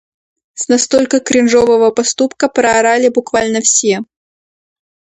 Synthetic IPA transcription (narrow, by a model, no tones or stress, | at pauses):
snɐst̪olʲkəkɾʲɪnʐovəvəpɐst̪upkəpɾəɐɾalʲɪbʊkvalʲnəfsʲe